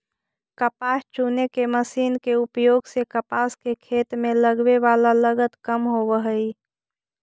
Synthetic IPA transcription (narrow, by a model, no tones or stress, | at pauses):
kəpaːst͡ʃuːnekeməsiːnkeʊpjoːɡsekəpaːskekʰeːt̪mẽləɡʋeʋaːlaləɡət̪kəmɦoʋəɦəi